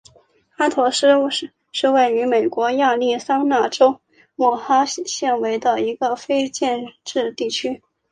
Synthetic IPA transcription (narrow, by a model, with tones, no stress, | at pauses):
a˥t̪ʰɔ˧˥ʂ̩˥˧ʂ̩˥˩ | ʂɻ̩˥˧we˥˩ɪy˧˥me˨˩ɪkwɔ˧˥ja˥˧li˥˩sɑ˥ŋna˥˩ʈ͡ʂo˥ʊ | mwɔ˨˩xa˥ɕjɛ˥˩nwe˧˥ɪd̪ə˧i˧˥ɡə˧fe˥ɪt͡ɕjɛ˥˧nʈ͡ʂɻ̩˥˧t̪i˥˩t͡ɕʰy˥